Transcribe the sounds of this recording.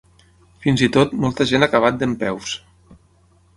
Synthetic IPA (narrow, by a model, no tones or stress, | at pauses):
finzit̪ot̪mɔlˠt̪əʒenakaβ̞at̪̚d̪əmpɛws